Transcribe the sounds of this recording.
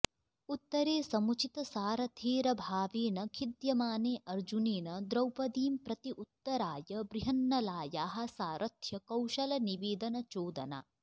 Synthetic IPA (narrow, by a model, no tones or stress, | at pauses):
ut̪ːɐɾeːsɐmut͡ʃit̪ɐsaːɾɐt̪ʰeːɾɐbʱaːʋeːnɐkʰid̪jɐmaːneːʔɐɾd͡ʒuneːnɐd̪ɾɐwpɐd̪iːmpɾɐt̪iʔut̪ːɐɾaːjɐbɾiɦɐnːɐlaːjaːɦɐ̆saːɾʔɐt̪ʰjɐkɐwʃɐlɐniʋeːd̪ɐnɐt͡ʃoːd̪ɐ̰na̰ː